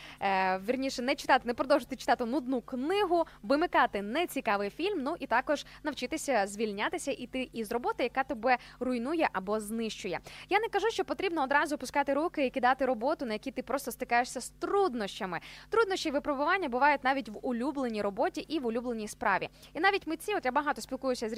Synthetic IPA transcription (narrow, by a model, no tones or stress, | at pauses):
ʋʲirnʲiʃɛnɛt͡ʃɪ̥t̪ɑt̪ɪnɛpɾɔd̪ɔwʒɪt̪ɪt͡ʃɪ̥t̪ɑt̪ɪnʊd̪nuknɪɦʊʋɪmɪkɑt̪ɪnɛt͡sʲikɑʋɪjfʲilʲmnuʔit̪ɑkɔʒ̥nɐwt͡ʃɪt̪ɪsʲɐzʲʋʲilʲnʲat̪ɪsʲɐʔit̪ɪʔizrɔbɔt̪ɐjɐkɑt̪ɔbɛrʊjnujɛʔɐbɔznɪʃt͡ʃʊjɛjanɛkɐʒuʃt͡ʃɔpɔt̪ɾʲibnɔːd̪ɾɑzʊpʊskɑt̪ɪɾukɪikʲid̪ɑt̪ɪɾɔbɔt̪ʊnɐjɐkʲijt̪ɪpɾɔst̪ɔst̪ɪkɑjeʂsʲɐst̪ɾud̪nɔʃt͡ʃɐmɪt̪ɾud̪nɔʃʲt͡ʃiʋɪpɾɔbʊʋɑnʲːɐbʊʋɑjʊtʲnɑʋʲitʲʋʊlʲublˠenʲijɾɔbɔtʲiʔiʋʊlʲublˠenʲijspɾɑ̰ʋʲḭ | inɑʋʲitʲmɪt͡sʲiɔt̪jabɐɦɑt̪ɔsʲpʲilˠkujʊsʲɐzʲ